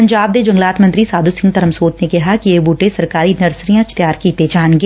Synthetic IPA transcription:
pɐɲd͡ʒaːb̚d̪ed͡ʒɐ̃ŋɡlaːt̪mə̃ɐnt̪ɾisaːd̪usɪ̃ŋɡt̪ɐɾəmsoːt̪nekɐɦakiebuːʈesɐɾkaːɾinɐɾsɾijãt͡ʃʰt̪jaːɾkit̪ed͡ʒaːɳɡe

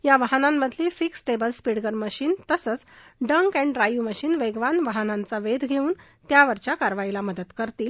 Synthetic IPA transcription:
jaʋaɦnamːəd̪ʱlifiksʈebəlspiɽɡəɾməɕiːnt̪əsət͡sɖəŋkæ̃ɳɖɾajuməɕiːnʋeɡʋanʋaɦnãnt͡saʋed̪ʱɡʱeuːn | t̪jaʋəɾt͡ɕjakaɾʋajlaməd̪ət̪kəɾt̪iːl

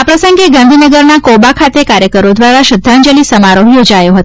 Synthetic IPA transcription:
apɾəsəŋɡeɡãnd̪ʱinəɡəɾnakobakʰat̪ekaɾjəkəɾod̪ʋaɾaʃəd̪ʱːand͡ʒəlisəmaɾoɦjod͡ʒajoɦət̪o

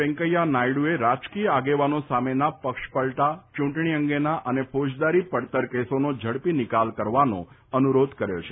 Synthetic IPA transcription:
ɛ̃ŋkəjːanajɽueɾat͡ʃkijəaɡeʋanosamenapəkʃpəɭʈat͡ʃũɳʈɳ̃iəŋɡenaʔənepʰod͡ʒd̪aɾipəɽt̪əɾkesonod͡ʒʱəɽpinɪkalkəɾʋano̰ | ənuɾod̪ʱkəɾjo̰t͡ʃʰe

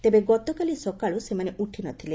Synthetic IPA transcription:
t̪ebeɡɔt̪ɔkalisɔkaɭusemaneʔuʈʰinɔt̪ʰile

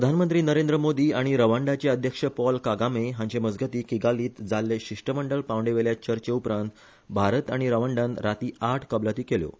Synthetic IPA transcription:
pɾəd̪ʱanmənt̪ɾiːnəɾend̪ɾəmod̪iːaɽ̃iɾəʋəɳɖat͡ɕeəd̪ʱjəkʂəpɔlkaɡameɦãɲt͡ɕeməd͡zɡʱət̪iːkiɡaliːt̪d͡zalːeɕiʂʈəməɳɖəlpãʋɳɖeʋeljat͡ɕəɾt͡ɕeupɾãnt̪ | bʱaɾət̪aɽ̃iɾəʋəɳɖãnɾat̪iːaʈʰkəblat̪iːkeljo̰

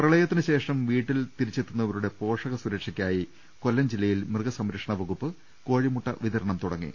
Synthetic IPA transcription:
prɐɭɐjɐt̪ːinɨɕe̞ːʂɐmʋiːʈːilt̪iɾit͡ɕːe̞t̪ːunːɐɐʋɐɾuɽe̞po̞ːʂɐɣɐsuɾɐkʂikʲːaːji | ko̞lːɐmd͡ʑilːɐjilmrɨɡɐsɐmɾɐkʂɐɳɐʋɐɣupːɨ | ko̞ːɻimuʈːɐʋiðɐɾɐɳɐmt̪uɽɐŋːḭ

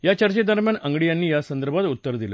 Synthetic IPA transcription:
jat͡ɕəɾt͡ɕed̪ʱəɾmjanəŋɡɽijanːiːjasənd̪əɾbʱat̪ut̪ːəɾd̪ilə̰

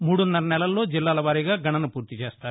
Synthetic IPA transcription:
muːɽunːɐɾɐnɛlɐlːo̞ːd͡ʒilːaːlɐʋaːɾiɡaːɡʱɐɳɐnupuːɾt̪it͡ʃeːst̪aːɾu

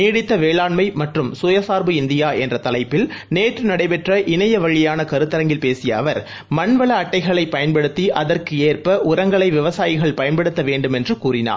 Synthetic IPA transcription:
niːɽɪt̪ːɐʋeːɭaːɳmɐɪmɐʈrɯmsʊːjɐsaːɾbɯɪnd̪ɪjaːɛndrɐt̪ɐlɐɪpːɪlneːʈrɯnɐɽɐɪpɛʈrɐʔɪnɐjɐʋɐɻɪjaːnɐkɐɾɯt̪ːɐɾɐŋɡɪlpeːsɪjɐːʋɐɾ | mɐnʋɐɭɐːʈːɐɪɣɐɭɐɪpːɐjɐnpɐɽɯt̪ːiʔɐðɐrkɯeːrpɐʔʊɾɐŋɡɐɭɐɪʋɪʋɐsaːjɪɣɐɭpɐjɐnpɐɽɯt̪ːɐʋeːɳɖɯmɛndrɯkuːrɪna̰ː

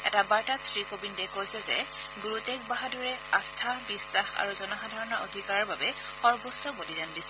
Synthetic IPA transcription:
ɛ̰tabaɹtatsɹikobindɛkojsɛzɛ̰ | ɡuɹutɛk̚baɦaduɹɛastʰabisːaxa̰ɹuzɔnaxadʱaɹɔnaʔo̰dʱikaɹaɹbabɛ | xɔɹbɔsːɔbodidandisɛ

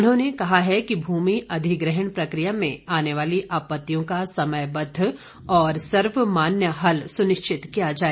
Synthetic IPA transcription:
nɦõːnekɐɦaɦɛkibʱuːmiʔɐd̪ʱiɡɾɛɦəɳ̃pɾɐkɾijamẽaːneʋaːliʔaːpət̪ːijõkasɐməjbɐd̪ʱː | ɔːɾsɐɾʋmaːnjəɦɐlsʊnɪʃt͡ʃʰɪt̪kijad͡ʒaːe

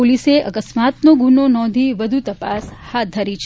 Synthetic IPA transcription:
oliseʔə̰kəsmat̪noɡunonɔ̃nd̪ʱiʋəd̪ʱut̪əpashat̪̚d̪ʱəɾit͡ʃʰ

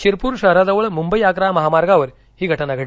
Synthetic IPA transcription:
t͡ɕiɾpuːɾʂɐɾad̪ɐʋɐɭmumbɐjaːkɾamɐɦaːmaːɾɡaːʋɐɾ | ɦiːɡʱɐʈɐnaɡʱɐɽ

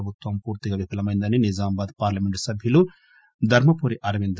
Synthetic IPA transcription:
bʱut̪ʋɐmpuːɾt̪iɡɐʋipɐlɐmɐjnd̪ɐninid͡ʒaːmɐbaːd̪paːɾlɐmeɳʈsɐbʱjulu | d̪ʱɐɾmɐpuːɾiʔɐɾɐʋind̪

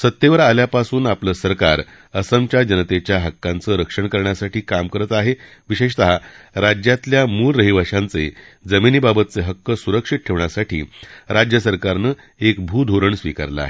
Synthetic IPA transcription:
sət̪ːjeʋəɾaljapasuːnapləːsəɾka̰ɾ | əsəmt͡ɕad͡ʑənət̪et͡ɕjaɦəkːant͡səɾəkʂəɳkəɾɳjasaʈiːkamkəɾət̪aɦe | ʋiɕeɕt̪əɦaɾad͡ʑjat̪ljamuːlːəɦiʋʱaʂãnt͡sed͡zəminibabət̪̚t͡seɦəkːəsuɾəkʂiʈ̚ʈʰeʋɳjasaʈʰḭːɾad͡ʑjəsəɾkaɾnəː | ekbʱud̪ʱoɾəɳsʋika̰ɾlə̰a̰ɦe

